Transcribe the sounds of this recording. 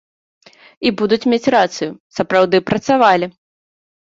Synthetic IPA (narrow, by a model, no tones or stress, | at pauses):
ibud̪ut͡sʲmʲet͡sʲrat̪sɨjusɐpɾawd̪ɨpɾɐt̪savalʲi